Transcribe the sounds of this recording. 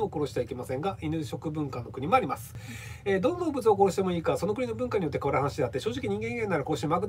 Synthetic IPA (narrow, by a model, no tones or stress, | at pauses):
oko̞ɾo̞ɕi̥eaikʲe̞masẽ̞ŋɡaʔinɯ̟ɕo̞kɯ̟bɯ̟̃ŋkanːo̞kɯ̟ɲ̟imo̞aɾʲimasɨ̥ | ed̪õ̞nːaobɯ̟t͡sɨoko̞ɾo̞ɕi̥t̪e̞mo̞iːkaso̞no̞k̬ɯ̟ɲ̟ino̞bɯ̟̃ŋkaɲ̟ijo̞t̪̬ːekaβaɾahanaɕid̪e̞at̪ːe̞ɕo̞ːʑikʲiɲ̟ĩŋɡẽ̞ŋɡe̞nːaaɾako̞ɾo̞ɕiemaakɯt̪